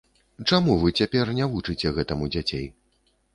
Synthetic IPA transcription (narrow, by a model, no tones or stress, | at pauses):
t͡ʂamuvɨt͡sʲapʲɛrnʲavut͡ʂɨt͡sʲɛɣɛt̪ɐmud͡zʲat͡sʲej